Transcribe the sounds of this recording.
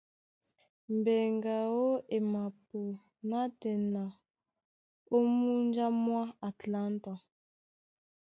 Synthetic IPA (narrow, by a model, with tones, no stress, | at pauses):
mbɛ˨ŋɡa˨o˦ʔe˨ma˨po˨ | na˦tɛ˨na˨ | o˦mu˦nd͡ʒa˦mwa˦a˨tla˦nta˨